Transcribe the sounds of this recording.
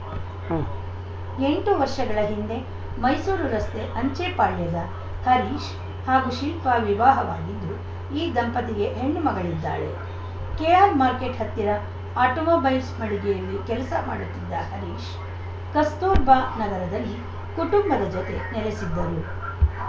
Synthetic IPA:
e̞ɳʈuʋɐɾʂɐɡɐɭɐɦind̪e̞ | mɐjsuːɾuɾɐst̪e̞ʔɐɲt͡ʃeːpaːɭjɐd̪ɐ | hɐɾiːʃ | haːɡuʃilpaːʋiʋaːɦɐʋaːɡid̪ːu | iːd̪ɐmpɐt̪iɡe̞ɦeɳːumɐɡɐɭid̪ːa̰ːɭe̞̰ | kejaːlmaːɾkeʈɦɐt̪ːiɾɐ | aːʈomoːbɐjlsmɐɽiɡɛjɐlːikɛlɐsɐma̰ːɽut̪ːid̪ːɐhɐɾiːʃ | kɐst̪oːɾbaːnɐɡɐɾɐd̪ɐlːi | kuʈumbɐd̪ɐd͡ʒot̪e̞neɾesid̪ːɐɾu

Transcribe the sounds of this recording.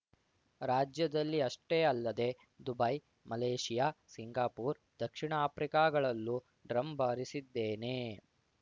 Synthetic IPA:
ɾaːd͡ʒjɐd̪ɐlːiɐʂʈeːɐlːɐd̪e̞ | d̪ubɐj | mɐleːʂijaːsiŋɡaːpuːɾ | d̪̥ɐkʂiɳaaːpɾikaːɡɐɭɐlːu | ɖɾɐmbaːɾisid̪ːeːne̞

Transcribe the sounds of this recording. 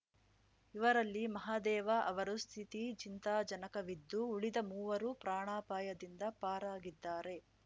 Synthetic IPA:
iʋɐɾɐlːimɐɦaːd̪ɛːʋɐʔɐʋɐɾust̪ʰit̪it͡ʃint̪aːd͡ʒɐnɐkɐʋid̪ːuːɽid̪ɐmuːʋɐɾupɾaːɳaːpaːjɐd̪ind̪ɐpaːɾaːɡid̪ːaːɾe̞

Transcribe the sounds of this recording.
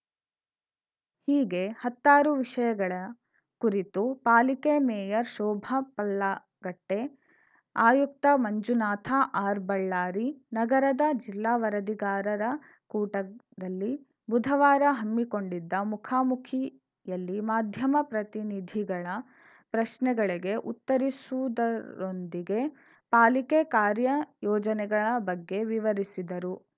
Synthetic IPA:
hiːɡehɐt̪ːaːɾuʋiʂɐjɐɡɐɭɐ | kuɾit̪upaːlikemɛːjɐɾʃɔːbʱɐpɐlːa | ɡɐʈːe̞ | aːjuk̚t̪ɐmɐɲd͡ʒunaːt̪ʰaʔaːɾbɐɭːaːɾinɐɡɐɾɐd̪ɐd͡ʒilːaːʋɐɾɐd̪iɡaːɾɐɾɐ | kuːʈɐ | d̪ɐlːi | bud̪ʱɐʋaːɾɐɦɐmːiko̞ɳɖid̪ːɐmukʰaːmukʰi | jɐlːimaːd̪ʱjɐmɐpɾɐt̪inid̪ʱiɡɐɭɐ | pɾɐʃnɛɡɐɭiɡe̞ʔṵt̪ːɐɾisuʋd̪ɐɾond̪iɡe̞ | paːlikekaːɾjɐjɔːd͡ʒɐnɛɡɐɭɐbɐɡːe̞ʋiʋɐɾisid̪ɐɾu

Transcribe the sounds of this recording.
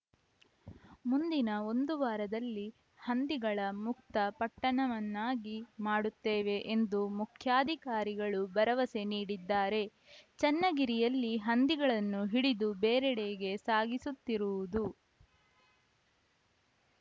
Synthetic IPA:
mund̪inɐo̞nd̪uʋaːɾɐd̪ɐlːi | hɐnd̪iɡɐɭɐmuk̚t̪ɐpɐʈːɐɳɐʋɐnːaːɡimaːɽut̪ːeːʋe̞ʔend̪umukʰjaːd̪ʱikaːɾiɡɐɭubɐɾɐʋɐse̞niːɽid̪ːaːɾe̞ | t͡ʃɛnːɐɡiɾijɐlːiɦɐnd̪iɡɐɭɐnːuɦiɽid̪ubeːɾɛɽeːɡe̞saːɡisut̪ːiɾuʋud̪u

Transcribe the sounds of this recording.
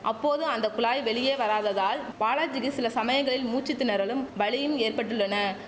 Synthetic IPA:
ʔɐpːoːðɯɐnd̪ɐkʊɭaːjʋɛɭɪjeːʋɐɾaːðɐðaːlpaːlaːd͡ʒɪɣɯsɪlɐsɐmɐjɐŋɡɐɭɪlmuːt͡ʃɪt̪ːɪnɐɾɐlɯmʋɐɭɪjɯmeːrpɐʈːɯɭːɐnɐ

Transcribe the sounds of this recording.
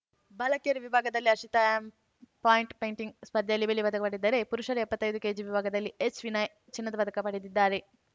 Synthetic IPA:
bɐlɐkijɐɾuʋibʱaːɡɐd̪ɐlːiɐʃit̪ajam | paːjiɳʈpejɳʈiŋɡ̚spɐd̪ʱjɐlːibelipɐd̪ɐkɐpɐɽid̪ːɐɾepuɾuʃɐɾɐɛpːɐt̪ːɐjd̪uke̞ːd͡ʒiʋibʱaːɡɐd̪ɐlːiet͡ʃʋinɐj | t͡ʃinːɐd̪ɐpɐd̪ʱɐkɐpɐɽid̪id̪ːaːɾe

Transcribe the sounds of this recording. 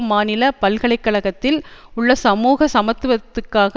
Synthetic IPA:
mːaːnɪlɐpɐlɣɐɭɐɪkːɐɭɐɣɐt̪ːɪlʊɭːɐsɐmuːɣɐsɐmɐt̪ːɯʋɐt̪ːɯkːaːɣɐ

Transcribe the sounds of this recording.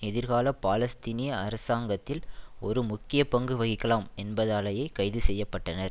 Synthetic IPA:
ɛðɪɾɣaːlɐpːaːlɐst̪inɪjɐɐɾɐsaːŋɡɐt̪ːɪlɔɾɯmʊkːɪjɐpɐŋɡɯʋɐɣɪkːɐlaːmɛnbɐðaːlɐjɐɪkɐɪðɯsɛjːɐpːɐʈːɐnɐɾ

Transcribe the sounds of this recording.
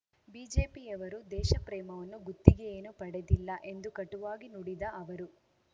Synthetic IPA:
biːd͡ʒeːpiɛʋɐɾud̪ɛːʃɐpɾɛːmɐʋɐnːuɡut̪ːiɡeeːnupɐɽed̪ilːɐʔe̞nd̪ukɐʈːuʋaːɡinuɽid̪ɐɐʋɐɾu

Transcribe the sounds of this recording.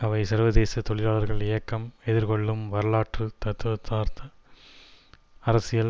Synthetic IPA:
ɐʋɐɪsɐɾʋɐðeːsɐt̪ɔɭɪɾaːlɐɾɣɐɭɪjɐkːɐmɛðɪɾkɔɭːɯmʋɐɾɯɭaːʈrɯt̪ɐt̪ːɯʋɐt̪ːaːɾt̪ɐ | ɐɾɐsɪjɐl

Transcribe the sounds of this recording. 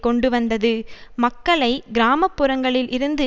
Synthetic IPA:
kɔɳɖɯʋɐnd̪ɐðɯmɐkːɐɭɐɪɡɪɾaːmɐpːɯɾɐŋɡɐɭɪlʔɪɾɯnd̪ɯ

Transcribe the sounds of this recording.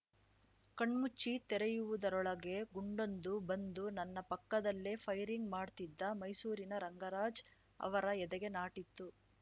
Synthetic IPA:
kɐɳmut͡ʃːit̪ɛɾɛjuʋud̪ɐɾɔɭɐɡe̞ɡuɳɖo̞nd̪ubɐnd̪unɐnːɐpɐkːɐd̪ɐlːepʰɐjɾiŋɡmaːɖt̪id̪ːɐmɐjsuːɾinɐɾɐŋɡɐɾaːd͡ʒ | ɐ̰ʋɐɾɐɛd̪ɛɡe̞naːʈit̪ːu

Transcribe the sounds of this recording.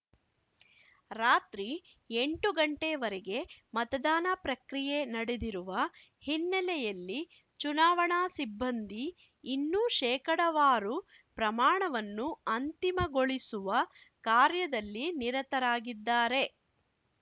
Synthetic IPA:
ɾaːt̪ɾi | eɳʈuɡɐɳʈeʋɐɾeɡe̞mɐt̪ɐd̪aːnɐpɾɐkɾijenɐɽed̪iɾuʋɐ | hinːɛlɛjɐlːi | t͡ʃunaːʋɐɳaːsibːɐnd̪ʱiː | nːuʃɛːkɐɽɐʋaːɾu | pɾɐmaːɳɐʋɐnːuɐnt̪imɐɡoɭisuʋɐ | kaːɾjɐd̪ɐlːiniɾɐt̪ɐɾaːɡid̪ːaːɾe̞

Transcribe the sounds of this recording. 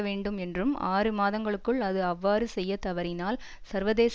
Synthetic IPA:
ɐʋeːɳɖɯmɛndrɯma̰ːrɯmaːðɐŋɡɐɭɯkːɯɭɐðɯɐʋːaːɾɯsɛjːɐt̪ɐʋɐɾɪnaːl | sɐɾʋɐðeːs

